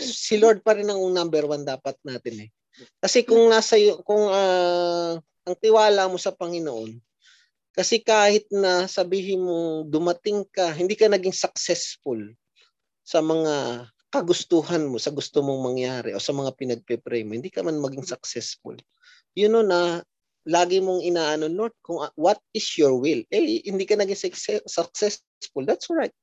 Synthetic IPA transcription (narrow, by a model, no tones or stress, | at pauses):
sɪloɹd̪̚pɐɾɪnɐŋoŋnambɛɾwand̪aːpɐt̪̚naːt̪ɪnɛ | kɐsɛkʊŋnaːsɐjkʊŋɐ | ʔɐŋt̪ɪwaːlamo̞sɐpɐŋɪnoʔo̞n | kɐsɛkaːhɪt̪̚nɐsɐbiːɦɪnmoŋd̪ʊmɐt̪ɪŋkɐɦɪnd̪iːkɐnɐɡɪŋsɐk̚sɛsfʊl | sɐmɐŋa | kɐɡʊst̪uhɐnmo̞sɐɡʊst̪omoŋmɐŋjaːɾɪ̰ʔo̞sɐmɐŋapɪnɐɡ̚pɛpɾɛjmohɪnd̪iːkɐmanmɐɡɪŋsɐk̚sɛsfʊ̰l | jʊnonɐ | laːɡɪmoŋʔɪnaːʔɐnono̞d̪̚kʊŋwɐt̪̚ɪsjoɹwɪlɛjhɪnd̪iːkɐnɐɡiŋsksɛsɐk̚sɛs | sfʊld̪ɐt̪soɹajt̪̚